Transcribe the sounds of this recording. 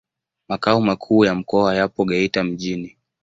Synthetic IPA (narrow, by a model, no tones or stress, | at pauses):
makaumakʰuːjam̩kɔajapɔɠɛitam̩ʄini